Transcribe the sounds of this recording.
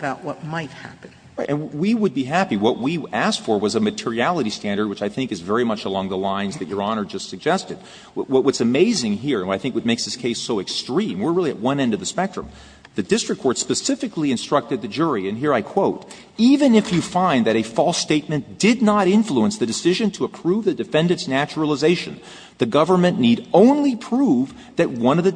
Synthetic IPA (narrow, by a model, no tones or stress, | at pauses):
əbaʊʔ̚wʌt̚maɪt̚hæ̰pɨ̃n̩ | ɹaɪʔnwiwəd̚biɦæpiwʌʔ̚wiæskfə˞wʌzəmɨtʰɪɹiælˠəɾistæ̃ndə˞d̚wɨt͡ʃaɪθɪ̃ŋkɨzvɛɹimʌt͡ʃəlɔ̃ŋðəlãɪ̃nzðɨt͡ʃə˞ɑnə˞d͡ʒʌstsɨɡ̚d͡ʒɛstɨd̚ | wʌt̚wʌtsɨmeɪzɪ̃ŋɦiɹɨ̃nwaɪθɪ̃ŋkwʌt͡ʃ̚meɪksðɪskʰeɪsoʊɨkstɹ̥ĩmwɪɹɹɪlˠiɨ̰ʔ̚wʌ̃nɛ̃ndʌvðɨspɛk̚tɹ̥ɨ̃m | ðɨdɪstɹ̥ɨkʰːɔɹtspɨsɪfɨkliɨ̃nstɹ̥ʌk̚tɨd̪̚ðɨd͡ʒʊɹiɨ̃nɦiɹaɪkʰw̥oʊɾ | ivɨ̃nɨfjɨfãɪ̃nðɨɾɨfɔlˠsteɪt̚mɨ̃nd̥ɪdⁿnəɾɪ̃ɱfluə̃nsðɨdɨsɪʒɨ̃ntʰəːpʰɹ̥uvðɨdɨfɛ̃ndɨ̃nsnæt͡ʃɹl̩ˠəzeɪʃɨ̃n | ðɨɡʌvə˞mɨ̃nːiɾõʊ̃nlipʰɹ̥uv | ðɨt̚wʌ̃nʌvðɨ